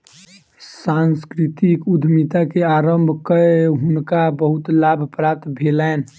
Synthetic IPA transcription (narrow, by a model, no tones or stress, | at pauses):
sanskɾit̪ikud̪ʱmit̪akeaɾəmbʱkəeɦunkabəɦut̪labʱpɾap̚t̪bʱelɛn